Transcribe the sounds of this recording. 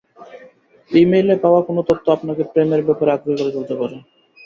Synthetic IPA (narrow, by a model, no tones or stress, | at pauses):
imejlepaoakonot̪ot̪ʰːoapnakepɾemeɾbɛpoɾeaɡ̪ɾikoɾed̪olt̪epaɾe